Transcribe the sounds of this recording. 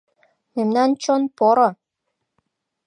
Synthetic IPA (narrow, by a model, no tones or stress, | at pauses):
memnɑnt͡ɕonpoɾɤ̆